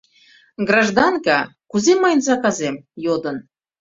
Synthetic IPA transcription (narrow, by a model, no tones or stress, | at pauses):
ɡrɑʒd̪ɑnkɑkuzemɑjnzɑkɑzemjod̪ə̆n